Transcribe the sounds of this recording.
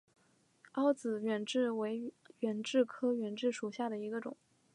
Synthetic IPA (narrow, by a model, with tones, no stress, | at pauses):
ɑ˥ʊt͡sɹ̩˨˩ɥɛ˨˩nʈ͡ʂɻ̩˥˩we˧˥ɪɥɛ˨˩nʈ͡ʂɻ̩˥˩kʰɤ˥ɥɛ˨˩nʈ͡ʂɻ̩˥˩ʂu˨˩ɕja˥˩d̪ə˩i˧˥ɡə˧ʈ͡ʂʊ̰˨˩˦ŋ